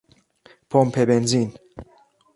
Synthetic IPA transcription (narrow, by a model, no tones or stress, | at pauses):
pʰompʰebenzin